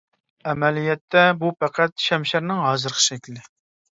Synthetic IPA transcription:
ɛmɛlijɛt̪ʰːɛbupʰæqʰæt̪ʃɛmʃæɾnɪŋɦɑːzɨɾqʰə̥ʃɛkʲlɪd̪ɪ

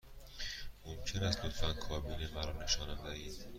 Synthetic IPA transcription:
momcʰenæst̪lot̪ʰfænkʰɒːbiːnemæɾɒːne̞ʃɒːnæmd̪æiːd̪̥

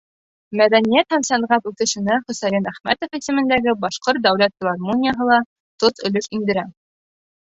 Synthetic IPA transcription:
mæðænijæt̪hæmsɑɴʁɑpʉθɘ̆ʃɘ̆næχɵ̆sæjinæχmæ̰t̪ŏfĭsɘ̆mɘ̆nd̪æɡɘbɑʃqoɾt̪̚d̪æwlæt̪fʲɪlˠɑɾmonʲɪjaɦɤlˠɑ | t̪ot̪ɵ̆lɵʃind̪ɘ̆ɾæ

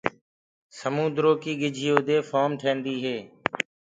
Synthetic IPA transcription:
səmũːd̪ɾoːkiːɡɪd͡ʒʱɪjoːd̪eːfoːmʈʰẽːɳɖ̪iːɦeː

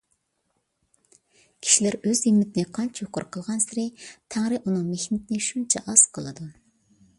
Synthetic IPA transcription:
kʲʰi̥ʃilæɾøzimːɪt̪ʰɪnɪqʰɑnt͡ʃʰjʊqʊ̰ɾqʰəlˠʁɑnsɪɾɪt̪ʰæŋɾɪʔunɨŋmehnɪt̪ʰɪnɪʃunt͡ʃʰɛ̰ʔɑz̥qʰəlˠɨd̪u

